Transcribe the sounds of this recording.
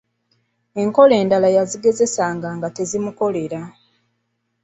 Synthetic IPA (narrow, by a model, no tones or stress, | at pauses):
e̞ŋko̞le̞ːndalajaziɡe̞ze̞saːŋɡaːŋɡate̞zimuko̞le̞ɾa